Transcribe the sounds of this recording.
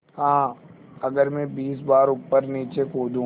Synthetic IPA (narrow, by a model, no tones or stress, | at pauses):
hãː | ɐɡəɾmɛ̃biːsbaːɾʊpːəɾniːt͡ʃekoːd̪ũ